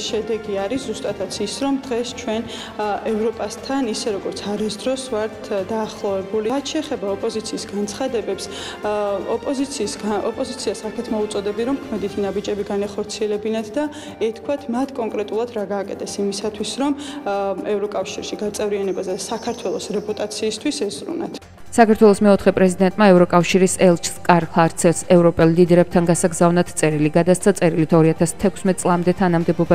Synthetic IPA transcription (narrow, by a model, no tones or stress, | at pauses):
ʃɛd̪ɛɡiaɾiszust̪ʼat̪ʰat̪sʰisɾɔmd̪ʁɛst͡ʃʰwɛn | ʔɛvɾɔpʼast̪ʰanisɛɾɔɡɔɾt̪sʰaɾisd̪ɾɔsvaɾt̪ʰd̪aːχlˠɔvɛbuliat̪ʰʃɛːχɛbaɔpʼɔzit̪sʰiːsɡant̪sʰχad̪ɛbɛps | ɔpʼɔzit̪sʰiːsɡaʔɔpʼɔzit̪sʰiasakʰɛt̪ʰmɔut̪sʼɔd̪ɛb̪iɾɔmkʰmɛd̪it̪ʰinabid͡ʒɛbiɡanaχɔɾt̪sʰiɛlɛbinat̪ʰd̪a | ɛt̪ʰkʰwat̪ʰmat̪ʰkʼɔŋkʼɾɛt̪ʼulˠad̪ɾaɡaːkʼɛt̪ʰɛsimisat̪ʰwisɾɔm | ɛvɾɔkʼafʃiɾʃiɡat̪sʼɛvɾianɛbazɛsakʰaɾt̪ʰwɛlˠɔsɾɛpʼut̪ʼat̪sʰiːst̪ʰwisɛzɾṵna̰t̪ʰ | sakaɾt̪ʰwɛlˠɔsmɛɔt̪ʰχɛpʼɾɛzid̪ɛnt̪ʼmaɛvɾɔkʼafʃiɾisɛlˠt͡ʃʰskʼaɾχaɾt̪sʰɛsɛvɾɔpʼɛlˠlid̪ɛɾɛb̚t̪ʰanɡasaɡzavnat̪ʰt̪ʼɛɾiliɡad̪ast̪sʰat̪sʼɛɾilit̪ʰɔɾiat̪ʰast̪ʰɛkʷʰsmɛt̪̚ʼsʼlˠamd̪ɛt̪ʰanamd̪ɛbɔba